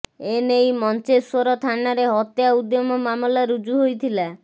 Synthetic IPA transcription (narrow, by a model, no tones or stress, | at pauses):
enejmɔnt͡ʃesoɾɔt̪ʰaɳaɾeɦɔt̪jaud̪jɔmɔmamɔlaɾud͡ʒuɦojt̪ʰila